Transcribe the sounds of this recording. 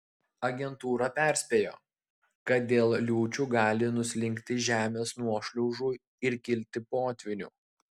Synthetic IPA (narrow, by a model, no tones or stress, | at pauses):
ɐɡʲɛnt̪uːɾɐpʲæˑɾʲsʲpʲeːjo̰ː | kɐt̪̚d̪ʲeːlˠlʲuːt͡ʃʲuːɡɑːlʲɪnʊsʲlʲɪŋʲkʲt̪ʲɪʒʲæːmʲeːsnuɔʃʲlʲɔʊʒuː | ɪɾkʲɪlʲt̪ʲɪpoːt̪ʲʋʲɪnʲṵː